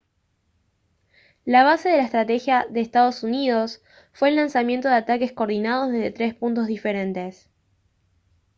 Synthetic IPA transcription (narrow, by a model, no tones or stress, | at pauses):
laβ̞ase̞ð̞e̞laest̪ɾat̪e̞xjaðeːst̪að̞o̞sunið̞o̞s | fwe̞ːlːansamje̞nt̪o̞ðeat̪ake̞sko̞ːɾðinað̞o̞zðeðe̞t̪ɾe̞spunt̪o̞zðife̞ɾe̞nt̪e̞s